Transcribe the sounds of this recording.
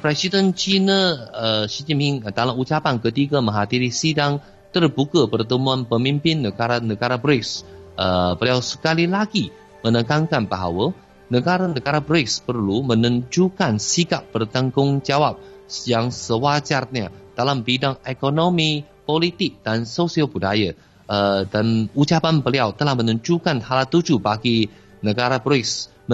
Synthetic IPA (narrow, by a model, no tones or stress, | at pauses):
pɾɛsidənt͡ʃinəəʃid͡ʒimhɪŋd̪alaut͡ʃapankət̪iɡamə̃ŋɦad̪iɾisidaŋ | t̪ərbukəpərt̪əmuanpəmimpɪnːəɡaɾanəɡaɾabɾɪksəbəliawsə̥kalilaɡi | mənəkaŋkanbaɦa̰wə | nəɡaɾanəɡaɾabɾɪkspərlumənəɲd͡ʒukansikap̚ːbərt̪əŋɡʊŋd͡ʒawap̚jaŋsəwad͡ʒarɲad̥alambidaŋekonomi | polit̪ɪk̚d̥ansosiabudaja | ʔədanut͡ʃapanbəliawt̪əlahmənəɲt͡ʃukanhalat̪ud͡ʒubaɡi | nəɡaɾabɾɪks